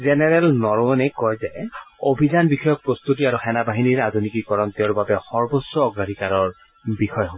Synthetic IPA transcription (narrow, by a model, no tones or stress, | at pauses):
zɛnɛɹɛlnɔɹɔɔnɛkɔjzɛobʱizanbixɔjɔk̚pɹost̪utiaɹuxɛnabaɦiniɹadʱunikikɔɹɔnt̪ɛʊɹbabɛxɔɹbɔsɹɔːɡɹadʱikaɹɔɹ | bixɔjɔɦɔ